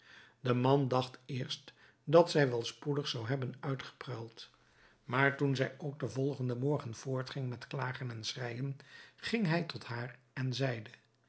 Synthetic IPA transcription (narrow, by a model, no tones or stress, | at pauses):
d̥əmɑndɑχtɪːɹst | dɑtsɛjʋɛlˠspudəχsɑwɦɛbənœɥtχə̥prɛlˠt | maːɹtunzɛjowɡ̚dəvɔlˠχəndəmɔɹχənv̥ʊːɹtχɪŋmɛtklaːχənɛnsrɛjənχɪŋɦɛjtɔtɦaːr | ɛnzɛjdə